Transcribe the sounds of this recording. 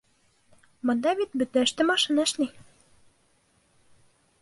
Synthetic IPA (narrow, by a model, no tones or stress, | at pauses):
mŏnd̪ɑbit̪̚bɵ̆t̪næ̆ʃt̪ɘmɑʃɤnɑɘ̆ʃni